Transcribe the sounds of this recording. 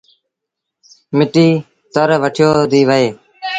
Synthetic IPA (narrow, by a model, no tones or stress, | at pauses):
mɪʈiː | t̪əɾʋəʈʰɪjoːd̪iːʋəɦeː